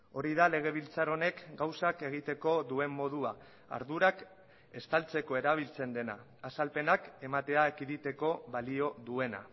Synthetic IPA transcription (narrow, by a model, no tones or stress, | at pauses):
o̞ɾiðale̞ɣ̞e̞β̞ilt͡saɾo̞ne̞kɡawsake̞ɣ̞it̪e̞ko̞ðue̞mːo̞ð̞ua | a̰ɾðuɾak | e̞st̪alt͡se̞ko̞e̞ɾaβ̞ilt͡se̞nd̪e̞na̰ː | salpe̞nake̞mat̪e̞aekiðit̪e̞ko̞βalio̞ðue̞na̰